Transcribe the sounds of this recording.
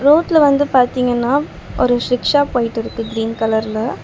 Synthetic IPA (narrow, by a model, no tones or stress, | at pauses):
ɾoːʈlɐʋɐnd̪ɯpaːɾt̪iːŋɡɐnːaː | ʔɔɾɯʃɾɪkʂaːpːoːjɪʈːɪɾɯkːɯɡɪɾiːnkɐlɐɾlɐ